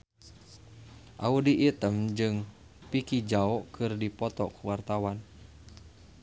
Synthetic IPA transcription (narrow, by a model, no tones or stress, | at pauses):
ʔaudiʔit̪əmd͡ʒɨŋ | pikid͡ʒaɔkʰɨrdipɔt̪ɔkuwart̪awan